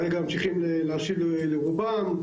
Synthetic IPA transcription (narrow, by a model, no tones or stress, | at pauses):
eɡamt͡ʃiχimleleaʃivle | leʁuban